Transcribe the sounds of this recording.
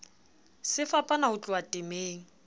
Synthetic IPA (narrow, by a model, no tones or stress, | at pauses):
sɪfapʼanaʊt͡ɬʼʊatʼɪmeːŋ̩